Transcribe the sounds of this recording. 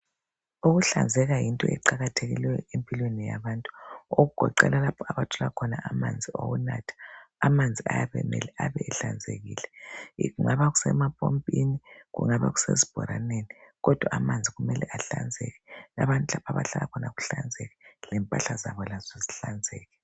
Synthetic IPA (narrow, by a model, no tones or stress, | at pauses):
uɣuɬand͡zʱɛɣajintʼɔ̰ʔɛǃaɣatʰeɣilwɛjɔempʼilwenijaβaːntʼu̥oɣuɡ̥ʱɔǃɛ̰lalapʰɔaβatʰɔlakʰɔnaʔamand͡zʱiowunatʰḁːmand͡zʱia̰jaβɛmɛ̰lɛaβɛːɬand͡zʱeɣiːlɛɣuŋaβaɣusɛ̰mapʼompʼiniɣṵŋaβa̰ɣusḛzib̥ʱɔ̰ɾaneniɣɔd̥ʱwaamand͡zʱiɣumɛlɛʔaɬand͡zʱɛɣɛlaβantʼulapʰaβaɬalakʰɔnaɣuɬand͡zʱɛɣɛlɛmpʼaɬazaβɔlazɔziɬand͡zʱɛːɣɛ